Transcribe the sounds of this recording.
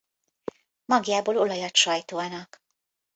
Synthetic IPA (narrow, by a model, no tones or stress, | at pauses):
mɒɡjaːboːlo̞lɒjɒt̪ʃɒjt̪oːɒnɒk